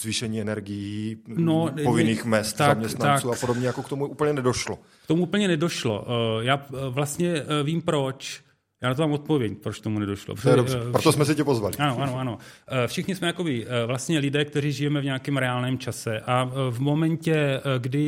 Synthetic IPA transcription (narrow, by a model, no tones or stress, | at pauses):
zviːʃɛɲiːɛnɛɾɡɪjino̞povɪniːxmɛst̪zamɲɛst̪naauːapodobɲɛjakokt̪omuʔuːpl̩ɲɛnɛdoʃlo | kt̪omuʔuːpl̩ɲɛnɛdo̞ʃlo̞̰ʔjaːvlast̪ɲɛviːmpɾo̞t͡ʃ | jaːnat̪omaːmo̞t̪̚po̞vjɛcpɾot͡ʃt̪omunɛdo̞ʃlo̰pjɛdobrɛpɾot̪osmɛs̬ɪcɛpozvalɪʔanoʔano̞ʔano̞fʃɪxɲɪsmɛjako̞bɪvlast̪ɲɛlɪdɛːk̚t̪ɛɾiːʒɪjɛmɛvɲaːkɛːmɾɛaːlnɛːmt͡ʃasɛʔavmo̞mɛɲcɛɡdɪ